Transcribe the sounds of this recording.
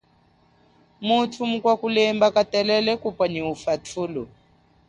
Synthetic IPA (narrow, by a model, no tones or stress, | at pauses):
mutʰumukwakulɛmbakatɛlɛlɛkupaɲiufatʰulɔ